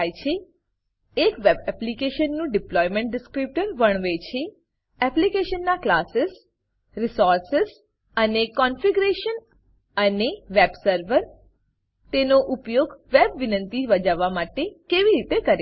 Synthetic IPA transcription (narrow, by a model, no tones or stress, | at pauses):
jt͡ʃʰeː | kʋebɛplikeʃənːũɖɪplɔjmẽɳʈ̚ɖɪskɾip̚ʈəɾʋəɳ̃ʋet͡ʃʰe | ɛplikeʃənːaklasɪs | ɾisɔɾsɪz | ənekɔnfiɡɾeʃən | əneʋebsəɾʋəɾ | t̪enoʔʊpjoɡʋebʋɪnə̃nt̪iʋəd͡ʒaʋamaʈekeʋiɾit̪ekəɾe